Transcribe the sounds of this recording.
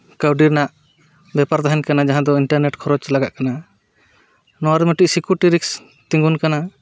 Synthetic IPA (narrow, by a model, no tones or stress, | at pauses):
kawɖiɾnaʔ | bɛpaɾd̪aɦɛnkanad͡ʒaɦãd̪ɔiɳʈaɾneʈkʰɔɾɔt͡ʃlaɡaʔkana | nɔaɾmɛʈiʔ̚sikuʈiɾiks | t̪iŋɡunkana